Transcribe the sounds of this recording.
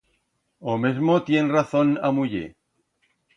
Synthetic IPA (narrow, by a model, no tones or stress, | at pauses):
omezmot̪je̞nraθonamuʎḛ